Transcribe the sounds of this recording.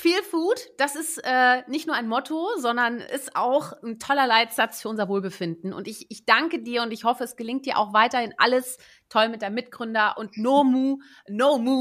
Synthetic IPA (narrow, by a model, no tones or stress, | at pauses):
fiːlfuːtd̥asɪstʔɛːnɪçtnuːɐʔaɪnmɔtʰozɔndɐnʔɪ̰sta̰ʊxn̩tʰɔlɐlaɪtz̥at͡sfyːɐʊnzɐvoːlbəfɪndn̩ʊ̰ntɪçɪçd̥aŋkədiːɐʊntɪçhɔfəɛsɡ̥əlɪŋt̚d̥iːɐʔa̰ʊxv̥aɪtɐhɪnʔa̰ləs | tʰɔlmɪt̚d̥eɐmɪt̚ɡ̥ʁʏndɐʔʊntnoːmu | nomuː